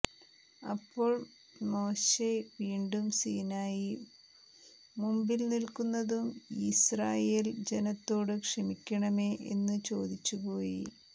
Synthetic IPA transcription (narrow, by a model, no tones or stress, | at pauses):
ɐ̰pːo̞ːɭ | mo̞ːɕeʋiːɳɖumsiːnaːji | mumbilnilkunːɐðumisraːjeːld͡ʑe̞nɐt̪ːo̞ːɽɨkʂɐmikʲːɐɳɐmeːʔḛnːɨt͡ɕo̞ːd̪it͡ɕːupoːjḭ